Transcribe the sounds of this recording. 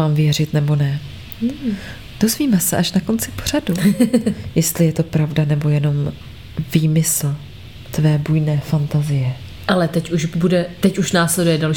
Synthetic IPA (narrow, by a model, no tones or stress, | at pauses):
aːmvɪjɛr̝ɪt̪nɛbo̞nɛ | d̥o̞zviːmɛsɛʔaʃnako̞nt͡sɪ̥por̝adu | jɛst̪lɪjɛt̪o̞pɾavdanɛbo̞jɛno̞m | viːmɪsl̩ | t̪vɛːbujnɛːfant̪azɪjɛ | ʔalɛt̪ɛcuʃbudɛt̪ɛcuʃnaːslɛdujɛdalʃ